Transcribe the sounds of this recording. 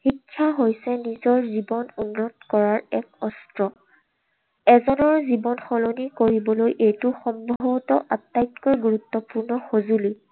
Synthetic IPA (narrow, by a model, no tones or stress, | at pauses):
xikʰːjaɦojsɛnizɔɹzibɔnunːɔtkɔɹaɹɛkɔstɹɔ | ɛzɔnɔɹzibɔnxɔlonikoɹibɔlojʔejtʊxɔmbʱɔbɔtɔʔatːajtkɔɹɡuɹutːɔpuɹnɔxozuli